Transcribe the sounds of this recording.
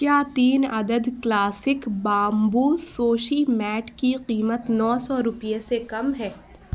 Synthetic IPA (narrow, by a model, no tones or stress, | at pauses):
kjaːt̪iːnɐd̪əd̪klaːsɪkbaːmbuːsoːʃimɛːʈkiqiːmət̪nɔːsɔɾʊpijesekɐmɦɛː